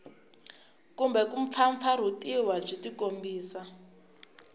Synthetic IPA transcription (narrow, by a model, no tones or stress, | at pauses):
kumbɛkuɱp̪fʰaɱp̪fʰaɾ̤utiwad͡ʒitikombiːsa